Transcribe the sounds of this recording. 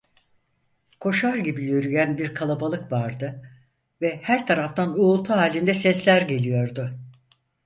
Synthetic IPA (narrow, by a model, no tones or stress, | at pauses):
kʰo̞ʃaɾɟibijøɾyjænbiɾkʰalˠabalˠɯkvaɾd̪ɯ | vɛhæɾt̪ʰaɾaft̪ʰanuːlˠt̪ʰuɦaːlʲind̪ɛsɛslʲæɾɟe̞lʲijo̞ɾd̪ʊ